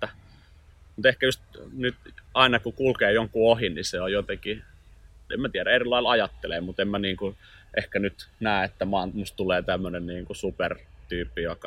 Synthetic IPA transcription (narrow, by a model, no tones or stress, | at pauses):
t̪ːæ | mut̪ehkæjust̪nyt̪ɑˑinɑkukulkeːjoŋkuohinniseojot̪eki | ḛmæt̪iæɾæerilːˑɑˑilɑjɑt̪ːelemut̪emmæniːŋku | ʔehkænyt̪næːet̪ːæmɑːnmust̪t̪uleːt̪æmːønenniːŋkusupert̪yːpːijokɑ